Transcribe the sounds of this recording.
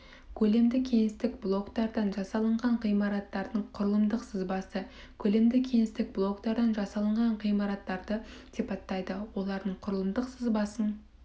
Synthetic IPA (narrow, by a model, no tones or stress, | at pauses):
kʲʰɵle̞md̪ɪkʲʰe̞ŋɪst̪ɪkblˠo̞kt̪ɑɾd̪ɑnʒɑsɑlˠəɴʁɑɴqijmɑɾɑt̪ːɑɾd̪əɴqʰʊɾəlˠəmd̪əqsəzbɑsə | kʲʰɵle̞md̪ɪkʲʰe̞ŋɪst̪ɪk̚blˠo̞kt̪ɑɾd̪ɑnʒɑsɑlˠəɴʁɑɴqijmɑɾɑt̪ːɑɾd̪əsipɑt̪ːɑjd̪əwo̞lˠɑɾd̪əɴqʰʊɾəlˠəmd̪əqsəzbɑsən